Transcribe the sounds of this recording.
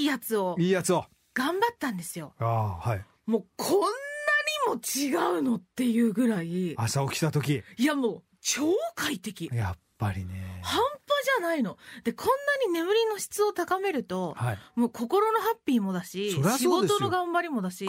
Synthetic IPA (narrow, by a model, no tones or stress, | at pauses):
iːjat͡sɨo̞iːjat͡sɨo | ɡ̥ãmbat̪ːãnd̪e̞sɨjo̞aːhai | mo̞ːkʰõ̞nːaɲ̟imo̞t͡ɕiɡaɯ̟no̞t̪ːe̞jɯ̟ːɡɯ̟ɾaiasaokʲi̥t̪at̪o̞kʲiiamo̞ː | t͡ɕoːkait̪e̞kʲija̰pːaɾʲinehãmpoʑanaino̞d̪̥e̞kʰõ̞nːaɲ̟ine̞mɯ̟ɾʲino̞ɕi̥t͡sɨo̞t̪akame̞ɾɯ̟t̪o̞haimo̞ːko̞ko̞ɾo̞no̞ɦapʲːiːmo̞d̪aɕioɾeaiɡo̞d̪et̪onoɡãmbaɾʲimo̞d̪aɕi